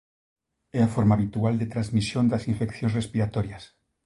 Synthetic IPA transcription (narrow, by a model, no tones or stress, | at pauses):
eafoɾmaːβit̪uald̪et̪ɾazmisjond̪asiɱfekθjonsrespiɾat̪oɾjas